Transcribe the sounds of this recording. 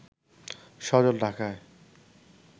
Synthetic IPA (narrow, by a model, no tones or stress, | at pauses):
ʃɔd͡ʑolɖʱakae